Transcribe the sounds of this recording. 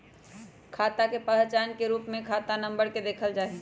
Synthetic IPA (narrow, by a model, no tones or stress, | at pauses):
kʰaːt̪akepəɦt͡ʃaːnkeɾuːpmẽkʰaːt̪anə̃mbəɾked̪eːkʰəld͡ʒaːɦi